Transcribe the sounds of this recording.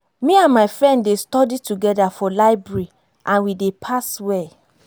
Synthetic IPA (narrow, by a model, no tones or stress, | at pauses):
mĩãnmaɪfɹɛ̃nddestɔdituɡɛdafɔlaɪbɹɛɹɹi | ʔãnwidepʰaswɛ